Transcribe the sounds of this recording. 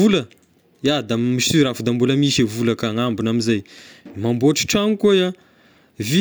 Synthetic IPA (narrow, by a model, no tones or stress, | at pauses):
ulə | jad̪amisyɾafd̪ambuləmiʃivulakaŋambinamizajmamboʈ͡ʂi̥ʈ͡ʂaŋkoja | vi